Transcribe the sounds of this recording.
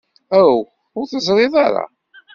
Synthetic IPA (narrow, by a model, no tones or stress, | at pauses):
æw | ʊɾθəzˤɾˤɪðˤɑɾˤɑ̰